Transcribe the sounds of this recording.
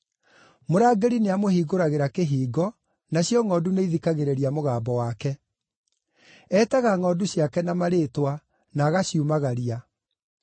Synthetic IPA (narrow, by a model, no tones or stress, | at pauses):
moɾaːɡeɾineamohiːɡoɾaɣeɾakeɦiːɡɔ | naɕjɔŋɔduneiðikaɣeɾeɾiamoɣaːmbɔwakɛ | ɛːtɛɣaŋɔduɕjakɛnamaɾeːtwa | naːɣaɕiumaɣaɾia